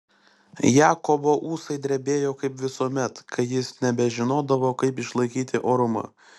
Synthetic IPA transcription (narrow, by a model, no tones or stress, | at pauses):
jæːkoboːʔuːsɐɪd̪ʲɾʲɛbʲeːjoːkɐɪpʋʲɪsuɔmʲɛt̪kɐɪjɪsnʲɛbʲɛʒʲɪnoːd̪ɐʋoːkɐɪpɪʃlˠɐɪkʲiːt̪ʲɪʔoːɾʊmɐ̰